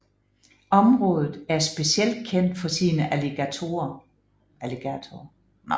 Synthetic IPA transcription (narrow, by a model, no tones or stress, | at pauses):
ɒ̽mʁɔ̽ːð̞ˠð̩ˠæɐsb̥e̝siel̰d̥̚kʰen̰d̥fɒ̽siːnəʔæleɡ̥æt͡sʰo̝̰ːɐ | æleɡ̥æt͡sʰo